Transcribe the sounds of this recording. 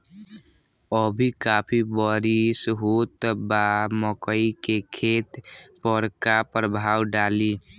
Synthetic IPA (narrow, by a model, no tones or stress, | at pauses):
əbʱikapʰibəɾisɦot̪baməkəikekʰet̪pəɾkapɾəbʱawɖali